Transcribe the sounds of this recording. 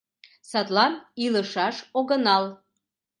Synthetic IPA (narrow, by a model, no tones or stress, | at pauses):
sɑt̪lɑniləʃɑʃoɡə̆nɑl